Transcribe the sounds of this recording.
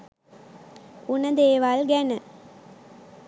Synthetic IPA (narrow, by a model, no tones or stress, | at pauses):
unɐd̪eːʋalɡɛnɨ